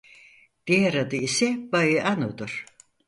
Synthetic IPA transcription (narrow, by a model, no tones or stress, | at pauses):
d̪̥iaɾad̪ɯisɛbajɯʔanud̪uɾ̥